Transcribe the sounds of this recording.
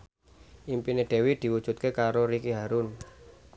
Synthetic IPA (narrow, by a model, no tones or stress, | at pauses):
ʔimpineɖ̪̥e̤wid̪̥i̤wud̥ʒ̥ṳt̪̚kekaɾoɾikiɦaɾʊn